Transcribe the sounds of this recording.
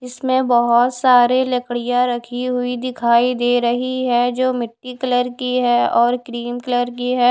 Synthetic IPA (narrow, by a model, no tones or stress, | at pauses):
ɪsmẽbɐɦʊt̪saːɾelɐkɽijãɾɐkʰiɦʊid̪ɪkʰaːid̪eːɾɐɦiɦɛd͡ʒoːmɪʈːikələɾkiɦɛɔːɾkɾiːmkələɾkiɦɛː